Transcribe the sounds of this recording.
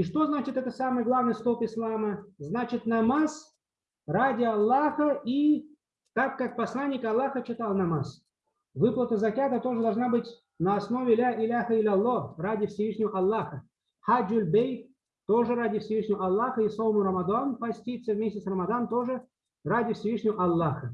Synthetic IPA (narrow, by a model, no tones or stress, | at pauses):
iʂt̪o̞znat͡ɕɪt̪ɛt̪əsamɨjɡlˠavnɨjst̪opɪslˠaməznat͡ɕɪt̪nɐmas | radʲɪɐlˠːaxəʔi | t̪akːak̚pɐslˠanʲːɪkɐlˠːaxət͡ɕɪt̪alˠnɐmas | vɨplˠət̪əzɐkʲat̪ət̪o̞ʐɨd̪ɐlˠʐnabɨtʲ | nəɐsno̞vʲɪlʲaʔɪlʲaxəɪlʲɐlˠːoradʲɪfsʲɪvɨʂnʲɪvəɐlˠːaxə | xad͡ʒʊlʲbʲej | t̪oʐɨradʲɪfsʲɪvɨʂnʲɪvəɐlˠːaxəisˠovəmʊɾəmɐd̪anpɐsʲtʲit̪səvmʲesʲtʲɪsrəmɐd̪ant̪o̞ʐɨ | radʲɪfsʲɪvɨʂnʲɪvəʔɐlˠːaxə